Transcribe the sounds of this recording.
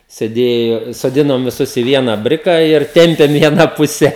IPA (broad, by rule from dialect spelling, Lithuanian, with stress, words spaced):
sʲɛˈdʲeːjoː soːˈdʲɪnoːm ʋʲɪˈsʊs ɪ ʋʲiɛnɑː ˈbʲrʲɪkɑː ɪr ˈtʲɛmʲpʲeːm iː ɐˈnɑː ˈpʊsʲɛ